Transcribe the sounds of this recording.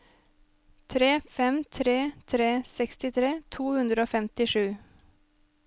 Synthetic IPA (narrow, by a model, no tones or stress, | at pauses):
t̪ʰɾeːfɛmt̪ʰɾeːt̪ʰɾeːsɛkst̪ɪt̪ʰɾeːt̪ʰuːhʉnd̪ɾəoːfɛmt̪ɪʂʉː